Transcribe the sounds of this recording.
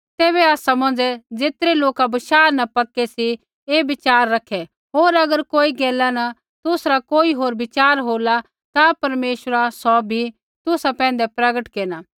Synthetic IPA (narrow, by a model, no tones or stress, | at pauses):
t̪eːβɛaːsamɐ̃nd͡ʒɛd͡zeːt̪ɾeloːkabɐʃaːɾnɐpɐkɛsi | ebɪt͡ʃaːɾːɐkʰɛ | ɦoːɾɐɡəɾkoːiɡeːlːanɐ | t̪ʊsɾakoːiɦoːɾbɪt͡ʃaːɾɦoːla | t̪apɐɾmeːʃəɾasɔbʱi | t̪ʊsapɛ̃ːn̆d̪ɛpɾɐɡəʈkeːnaː